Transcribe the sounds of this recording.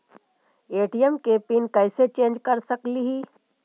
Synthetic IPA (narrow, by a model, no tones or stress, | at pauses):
eːʈijɛmkepinkɛɪset͡ʃẽːnd͡ʒkɐɾsəkliɦiː